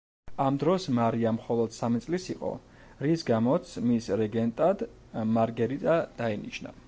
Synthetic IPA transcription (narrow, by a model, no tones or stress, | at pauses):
amd̪ɾɔsmaɾiamχɔlˠɔd̪̥samit̪sʼlisiqʼɔ̰ | ɾisɡamɔt̪sʰmisɾɛɡɛnt̪ʼad̪ | maɾɡɛɾit̪ʼad̪̥ainḭʃna̰